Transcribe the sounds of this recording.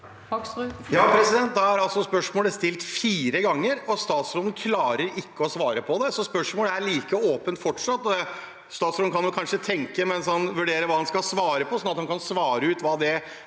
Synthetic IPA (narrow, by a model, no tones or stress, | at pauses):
jɑːpʰɾɛsɪd̪ɛnt̪̚d̪ɑæɾɑlsɔspœʂmoːləst̪ɪlt̪fiːɾəɡɑŋːəɾɔst̪ɑːt̪sɾoːd̪n̩kʰlɑːɾəɾɪkːəɔsʋɑːɾəpʰɔd̪ɛsɔspœʂmoːləæɭiːkəoːpənt̪fɔʈʂɑt̪ːɔɛ | st̪ɑːt̪soːd̪n̩kʰɑnjʊkʰɑnʂət̪ʰɛŋkəmɛnshɑnʋʉɖeːɾəʋɑːdɑnskɑsʋɑːɾəpɔsɔnɑt̪hɑnkʰɑnsʋɑːɾəʉːt̪ʋɑːd̪ɛ